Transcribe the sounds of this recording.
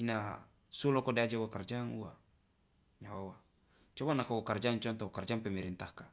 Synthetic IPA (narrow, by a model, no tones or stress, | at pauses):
ina | sulɔkɔdead͡ʒauwakard͡ʒaŋṵa̰ | ɲawawa | t͡ʃɔbanakawakard͡ʒaŋt͡ʃɔnt̪ɔwakard͡ʒaŋpɛmɛɾint̪ahka